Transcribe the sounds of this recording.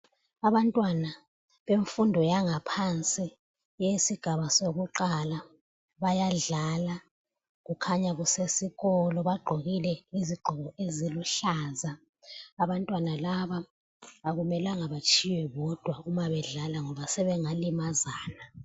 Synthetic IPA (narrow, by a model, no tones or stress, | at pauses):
aβantʼwana | βeɱfundʱɔjaŋapʰant͡sʼi | jesiɡ̥ʱaβasoɣuǃala | βajaɮala | ɣukʰaɲaɣusesiɣɔlɔβaɡ͡ǃʱoɣilɛiziɡ͡ǃʱɔɣɔeziluɬaːzaː | βantʼwanalaβaː | ɣumɛlaŋaβat͡ʃʰʼiwɛβɔd̥ʱwaumaβɛɮalaŋɔβasɛβɛŋalimazaːna